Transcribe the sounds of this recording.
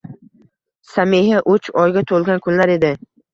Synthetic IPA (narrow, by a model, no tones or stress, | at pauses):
sameɦaʔot͡ʃʰɒjɡʲat̪ʰolˠɡʲankʲʰʊnlaɾe̞d̪ɪ